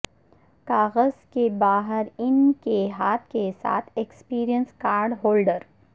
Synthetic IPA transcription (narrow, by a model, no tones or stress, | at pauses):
kaːɣəzkebaːɦəɾɪnkeɦaːt̪ʰkesa̰ːt̪ʰekspiːɾijənskaːɾɖɦoːlɖəɾ